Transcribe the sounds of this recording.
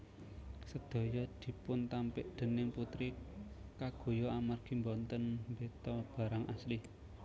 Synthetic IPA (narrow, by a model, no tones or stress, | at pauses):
səd̪̥o̤jɔd̪̥i̤pʊnt̪ampɪʔd̪̥ə̤nɪŋput̪ɾikaɡ̥o̤jɔamarɡ̥i̤mbɔnt̪ənmbet̪ɔb̥ä̤ɾaŋʔasli